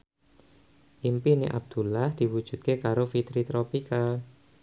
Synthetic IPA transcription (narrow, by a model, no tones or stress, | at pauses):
ʔimpiniʔa̰b̚d̪̥ṳlahd̪̥i̤wud̥ʒ̥ṳt̪̚kekaɾofit̪ɾit̪ɾopika